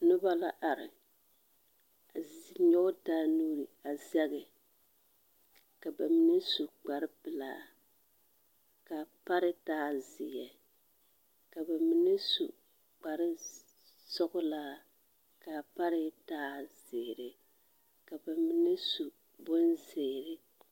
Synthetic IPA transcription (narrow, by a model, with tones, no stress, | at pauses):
nʊ˦ba˦la˦ʔa˨ɾɪ˨ | a˨zɲɔ˦daː˦nuː˦ɾi˨a˨za˦ɡɪ˨ | ka˨ba˨m˦nɪ˦su˨k͡pa˨ɾɪ˦pɨ˨la̰ː˦ | ka˨pa˦ɾɪ˦taː˦zɪ̰˨jɛ˨ | ka˨ba˨mi˨nɪ˦sṵ˨ | k͡pa˨ɾɪ˦ | sɔ˦ɡʊ˦la˦ | ka˨pa˦ɾɪ˦taː˦z̥eː˨ɾɪ˨ | ka˨ba˨mi˨nɪ˦su˨ | bo˦nzeː˨ɾɪ˦